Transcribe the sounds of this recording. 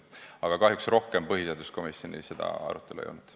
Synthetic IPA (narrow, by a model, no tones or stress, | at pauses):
ɑɡ̥ɑkɑɦjuksro̞hkempɤɦiseɑd̪usko̞misjo̞nḭse̞d̪̥ɑ̰ɑ̰ɾut̪ːˑe̞luḛjo̰lnud̪̥